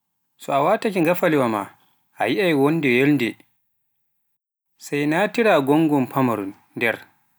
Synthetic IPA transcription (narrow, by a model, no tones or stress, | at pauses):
sɔawatakʲiŋɡafaliwama̰ | ʔa̰jiʔajwɔndɛjɛldɛ | sajnatiɾaɡɔŋɡɔmpʰamaɾun | dɛr